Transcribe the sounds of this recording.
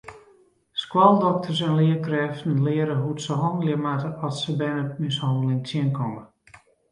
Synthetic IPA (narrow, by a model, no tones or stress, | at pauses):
skwɔlˠdɔk̚tʰərs̬ɛnlɪəkrɛftn̩lɪəɾəɦutsəɦɔndəlɪəmatəʔɔsəbɛnəmɪshɔndəlɪŋtʰjɪənkʰɔmə